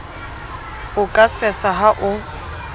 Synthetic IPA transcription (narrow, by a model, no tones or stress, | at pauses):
ʊkʼasɛsaɦaʔʊ